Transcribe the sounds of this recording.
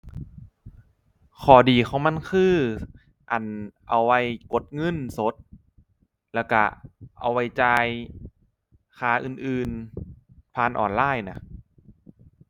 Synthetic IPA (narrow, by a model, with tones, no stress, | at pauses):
kʰɔː˨˩diː˨˩kʰa˧˦wma˧˥˨nkʰɯː˧˥˩ | ʔa˨˩nʔa˧˩wːa˧˥jko˨˦t̪̚ŋɤ˧˥˨nso˨˦t̪̚ | lɛː˧˩wka̰˧˩ʔa̰˧wːa˧jt͡ɕaː˧j | kʰaː˧˩ʔɯː˨˩nʔɯː˨n | pʰaː˧˨nʔɔ̰ː˨˩nlaː˧˥˩jna˦˥